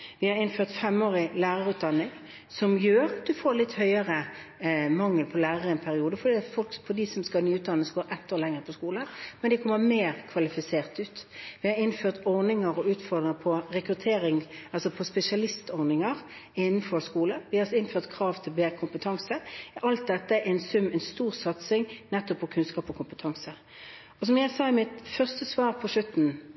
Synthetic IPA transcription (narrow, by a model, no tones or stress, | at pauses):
ʋɪhɑɾɪnføːʁt̪fɛmːoːɾɪlæːʁəɾʉːt̪̚d̪ɑnːɪŋ | sɔmjøːɾɑt̪̚d̪ʉfoːɾlɪt̪ːhœʏəʁə | mɑŋːəlpʰɔlæːʁəʁəɛnpʰæɾɪuːd̪əfɔd̪ifɔlkfɔd̪isɔmskɑlnyːʉːt̪d̪ɑnːəsɡoːɾʔɛt̪ːoːʁlɛŋʁəpʰɔskuːləmɛnd̪ɛkʰɔmːəmeːɾkʰʋɑlɪfɪseːʁt̪ʉːt̪ʋɪhɑɾɪnføːʁt̪ɔʁnɪŋəɾɔʉːt̪fɔʁd̪ʁɪŋəpʰɔɾɛkɾʉt̪ʰeːɾɪŋɑlsɔpʰɔspɛsɪɑlɪst̪ɔʁnɪŋəʁ | ɪnːn̩fɔskuːləʋɪɑsɪnføːʁt̪kʰʁɑːʋt̪ʰɪlbeːɾəkʰʊmpət̪ʰɑŋsəʔɑlt̪̚d̪ɛt̪ːəʔɛnsʉmːɛnst̪uːʁsɑt̪sɪŋnɛt̪ːɔpːɔkʰʉnskɑːpɔkʰʊmpət̪ʰɑŋsə | ɔs̬ɔmjæɪsɑːɪmɪt̪fœʁst̪əsʋɑːʁpʰɔʂʉt̪ːn̩